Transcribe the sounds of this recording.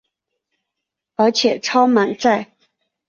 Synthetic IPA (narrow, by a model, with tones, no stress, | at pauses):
ə˞˧˥t͡ɕʰjɛ˨˩ʈ͡ʂʰɑ˥ʊma˧˥nt͡sa˥˩ɪ